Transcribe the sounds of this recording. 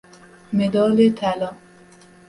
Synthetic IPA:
med̪ɒːlet̪ʰælɒːm

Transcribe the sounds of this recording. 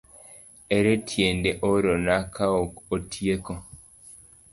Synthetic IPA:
eɾetʰjendeʔoɾonakʰaokotʰjeko

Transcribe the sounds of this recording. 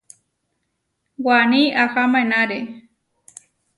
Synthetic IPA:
waniaxamaenaɾe

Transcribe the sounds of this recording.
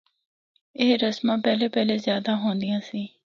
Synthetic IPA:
eːɾəsmãːpɛːleːpɛːleːzjaːd̪ãːɦõːnd̪ɪjãːsiː

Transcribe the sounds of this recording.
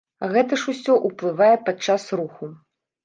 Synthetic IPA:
ɣɛt̪ɐʂusʲɔʔuplˠɨvajɛpat͡ʂːasruxu

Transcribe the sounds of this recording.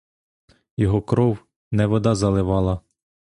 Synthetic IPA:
jɔɦɔkɾɔw | nɛʋɔd̪ɑzɐlˠɪʋɑlˠɐ

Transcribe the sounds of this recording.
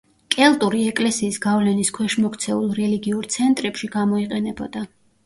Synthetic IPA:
kʼɛlˠt̪ʼuɾiɛkʼlɛsiːsɡavlɛniskʰwɛʃmɔkʰt̪sʰɛulˠɾɛliɡiuɾt̪sʰɛnt̪ʼɾɛpʃiɡamɔiqʼɛnɛbɔ̰d̪a

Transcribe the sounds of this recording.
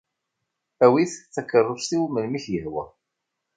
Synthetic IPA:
æwiθt͡sːækːərˤːəsθiwməlmiçjəhwə̰

